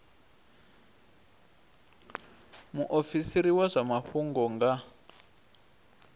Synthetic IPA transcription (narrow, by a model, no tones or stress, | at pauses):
muʔofisiɾiwazʷamaɸuŋɡɔŋɡa